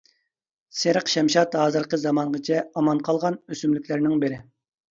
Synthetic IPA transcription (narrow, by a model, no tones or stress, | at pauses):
seɾqʃɛmʃɑt̪ɦɑːzɨɾqəzɑmɑɴʁət͡ʃʰɛɑmɑnqʰɑlˠʁɑnøsymlykʲlæɾnɪŋbɪɾɪ